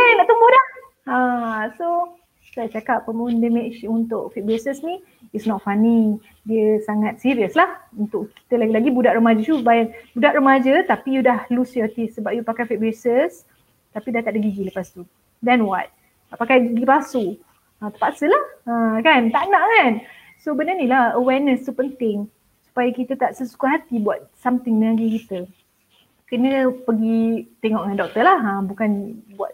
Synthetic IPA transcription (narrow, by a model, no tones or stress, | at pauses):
kanaʔt̪umbuhdah | aso | sat͡ʃakapːəmundɛmet͡ʃunt̪ʊʔfit̪̚besəsnĩ | itsnɔt̪̚fani | diəsaŋat̪̚siɾiəslahunt̪ʊʔki̥t̪əlaɡilaɡibudaʔɾəmad͡ʒət͡ʃubajaŋbudaʔɾəmad͡ʒət̪apijudahlusjɔt̪isːəbap̚jupakajfit̪̚besəs | t̪apidat̪aʔ̚dəɡiɡiləpast̪u | dɛnwa̰t̪̚ | pakajɡiɡipasu | ãt̪əpaʔsəlahakant̪aʔnãʔŋan | sobənanilahəwɛrnə̃st̪upənt̪ɪŋ | su̥pajakit̪ət̪aʔsəsu̥kaɦat̪ibuat̪̚samt̪ɪŋnəaɡikit̪ə | kənə̃pəɡit̪eŋɔʔŋandɔk̚t̪əlahabukanbua̰t̪̚